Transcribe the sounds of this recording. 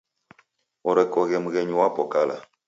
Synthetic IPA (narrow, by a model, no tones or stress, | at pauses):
ɔɾɛkɔɣɛmuɣɛɲuwapɔkala̰